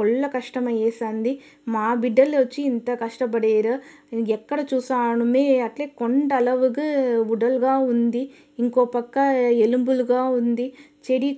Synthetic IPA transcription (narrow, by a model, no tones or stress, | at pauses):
ɔɭːɐkɐʂʈɐmɐjeːsaːnd̪i | maːbiɖːɐlʋɐt͡ʃːiːnt̪ɐkɐʂʈɐp̬ɐɽeːɾɐɛkːɐɽɐt͡ʃuːsaːɳɐmeːɐʈleːkoɳɖɐlɐʋukiuɖɐlɡaːund̪iː | ŋkoːpɐkːɐelumbuluɡaːund̪i | t͡ʃeɽi